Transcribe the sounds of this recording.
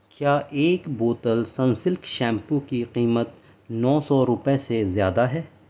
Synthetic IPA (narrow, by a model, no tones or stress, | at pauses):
kjaːʔeːkboːt̪əlsɐ̃nsɪlkʃɛ̃ːmpõkiqiːmət̪ | nɔːsɔɾʊpesezjaːd̪aɦɛː